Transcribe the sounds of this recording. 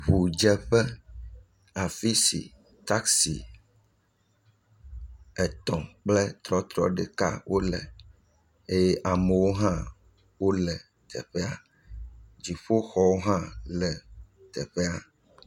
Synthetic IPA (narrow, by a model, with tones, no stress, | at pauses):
ɸu˨d͡ʒɛ˦ɸɛ˦ | a˨fi˦sḭ˨ | t̪a˦ksḭ˨ | ɛ˨t̪ɔ̃˨k͡plɛ˦t̪ɾɔ˦t̪ɾɔ̰˦ɖɛ˨ka̰˦wʔo˦lɛ̰˨ | e˦je˦ʔa˨mɛ˨wo˦ɦã˦ | wo˦lɛ˨ | t̪ʰɛ̰˨ɸɛ˦a˨ | d͡ʑi˨ɸo˦xɔ˦wo˦ɦã˦lɛ˨ | t̪ɛ˨ɸɛ˦a˦